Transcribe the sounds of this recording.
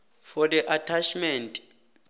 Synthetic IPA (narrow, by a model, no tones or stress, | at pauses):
fɔdɛʔatʰat͡ʃʰmɛntʼ